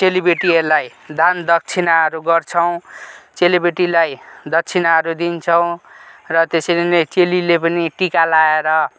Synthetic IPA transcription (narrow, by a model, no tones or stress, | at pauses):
selibeʈiʌɾlaj | d̪ʱand̪ʌk̚t͡sʰinaʌɾuɡʌrt͡sʰʌw̃t͡selibeʈilajd̪ʌk̚t͡sʰinaɦʌɾud̪int͡sʰʌw̃rʌt̪esʌlet͡selilepʌniʈikalaeɾʌ